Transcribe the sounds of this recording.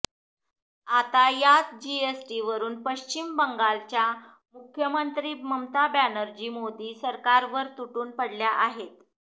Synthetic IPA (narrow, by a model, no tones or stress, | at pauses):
at̪ajat͡s̪d͡ʑiesʈiʋəɾuːnpəɕt͡ɕimbəŋɡalt͡ɕja | mukʰjəmənt̪ɾiːməmt̪abjanəɾd͡ʑiːmod̪iːsəɾkaɾʋəɾt̪uʈuːnpəɽljaʔaɦet̪